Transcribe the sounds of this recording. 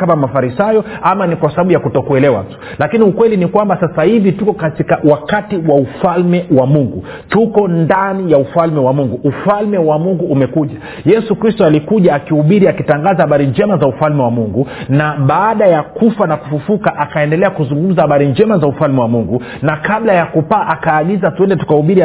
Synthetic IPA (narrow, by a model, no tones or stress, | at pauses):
amamafaɾisajɔamanikwasaɓaɓujakutɔkuɛlɛwa̰tu̥ | lakiniukwɛlinikwambasasahivitukɔkatikawakatiwaufalmɛwamuŋɡu | tukɔndanijaufalmɛwamuŋɡuːfalmɛwamuŋɡuːmɛkuʄa | jɛsukɾistɔalikuʄaːkihuɓiɾiakitaŋɡazahaɓaɾiɲd͡ʒɛmazaufalmɛwamuŋɡunaɓaːɗajakufanaku̥fufukaʔakaɛndɛlɛakuzuŋɡum̩zahaɓaɾiɲd͡ʒɛmazaufalmɛwamuŋɡu | nakaɓlajakupaʔakaːɠizatuɛndɛtu̥kahuɓiɾi